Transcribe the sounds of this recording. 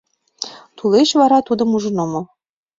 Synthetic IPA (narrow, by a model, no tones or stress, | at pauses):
t̪uleɕβɑɾɑt̪ud̪ɤ̆muʒɤ̆nomɤ̆